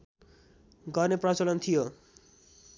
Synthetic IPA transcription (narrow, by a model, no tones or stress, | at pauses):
ɡʌrneprʌt͡sʌlʌnt̪ʰijo